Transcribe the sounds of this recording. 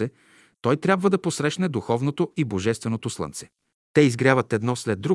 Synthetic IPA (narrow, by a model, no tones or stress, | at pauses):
ɛ | t̪ɔjt̪ɾʲjabvəd̪ɐposɾɛʃnɛd̪uxɔvnot̪oiboʒɛst̪vɛnot̪oslˠɤ̰nt̪sɛ̥ | t̪ɛizɡɾʲjavət̪ɛd̪nɔslɛd̪̚ːɾu